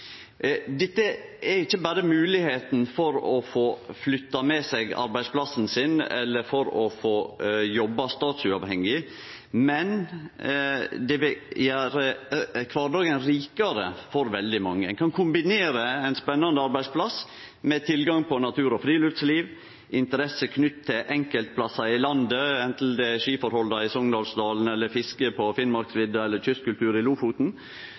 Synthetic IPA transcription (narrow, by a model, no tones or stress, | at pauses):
d̪ɛt̪ːəɛɾɪçːəbɑːɾəmʉːlɪheːt̪nfɔɾɔfoːflʏt̪ːɑmɛsɛɡɑ̰ɾbæɪspʰlɑsn̩sɪnɛ̰lːəɾfɔɾɔfoːjɔbːɑst̪ɑːt̪sʉɑʋhɛŋːɪ | mɛn | d̪ɛʋɪjæːɾəkʰʋɑːɾɖɑːɡənɾiːkɑɾə̰fɔɾʋɛld̪ɪmɑŋːəkʰɑnkʰʊmbɪneːɾəɛɪnspɛnːɑnd̪əɑɾbæɪspʰlɑs | mɛt̪ʰɪlɡɑŋpʰɔnɑt̪ʰʉːɾɔfɾiːlʉft̪sliːʋ | ʔɪnt̪əɾɛsəkʰnʏt̪ʰːɪʔɛŋkəlt̪̚pʰlɑsɑɪlɑnd̪əɛnt̪l̩d̪ɛʂiːfɔɾhɔld̪ɑɪsɔŋd̪ɑlsd̪ɑːln̩ɛlːəɾfɪskəpʰɔfɪnmɑɾksʋɪd̪ɑɛlːəɾtʏskkʉlt̪ʰʉːɾɪluːfuːt̪n̩